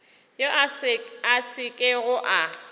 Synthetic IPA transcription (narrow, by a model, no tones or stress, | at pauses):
jo | asɪkʼɪɣʊʔa